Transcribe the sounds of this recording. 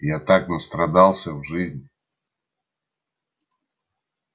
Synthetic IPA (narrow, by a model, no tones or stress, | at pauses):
jat̪aknəst̪ɾɐd̪alˠsʲəvʐɨzʲnʲ